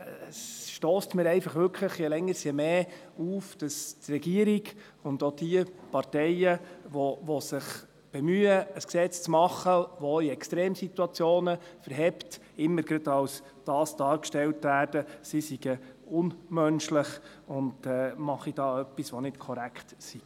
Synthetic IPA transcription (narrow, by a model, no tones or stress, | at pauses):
əsʃtoːstmɪːɾɛɪfɑχʋʏɾkʰləχjɛlɛŋːəɾsjɛmeː | uːfd̥ɑstrɛɡiəɾiɡ | ʊndod̥iəpɑrtɛjəʋɔvʋɔsɪχ | b̥ɛmyːəəsksɛt͡st͡smɑχːəʋoiɛkstɾeːmsit̪uɑt͡sjoːnəfəɾɦɛpt | ɪmːəɾɡɾɑdɑws | d̥ɑːsd̥ɑːɾkʃtɛltvæːɾd̥əsisiɡəʊnmœnʃlɪχ | ʊndɛːmɑχid̥ɑːœpːisʋɔnɪtkʰɔɾækʰtsi̥